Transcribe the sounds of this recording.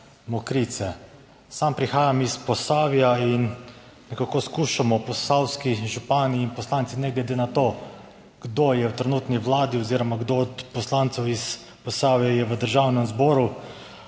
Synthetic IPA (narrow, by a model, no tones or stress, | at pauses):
mɔkɾit̪sɛ | sampɾixaːjamispɔsaːʋijain | nɛkakoskuːʃamɔpɔsawskiʒupaːniːnpɔslaːnt̪sinɛɡlɛd̪eːnat̪o | ɡ̥d̪ojɛwt̪ɾɛnuːt̪niʋlaːd̪iɔziːɾɔmaɡd̪ot̪pɔslaːnt̪sɛwis | pɔsaːʋijajɛʋəd̪əɾʒawnɛmzbɔːɾu